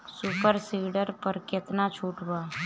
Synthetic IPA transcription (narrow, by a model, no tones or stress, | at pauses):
suːpəɾsiːɖəɾpəɾkɪt̪nat͡ʃʰuːʈbaː